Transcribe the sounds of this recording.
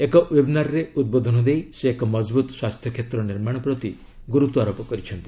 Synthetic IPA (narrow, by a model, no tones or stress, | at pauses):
ekɔʔwibʱnaɾɾeud̪̚bod̪ʱɔnɔd̪ejseːkɔmɔd͡ʒbut̪swast̪ʰjɔkʰet̪ɾɔniɾmaɽ̃ɔpɾɔt̪i | ɡuɾut̪uaɾopɔkɔɾit͡ʃʰɔnt̪i̥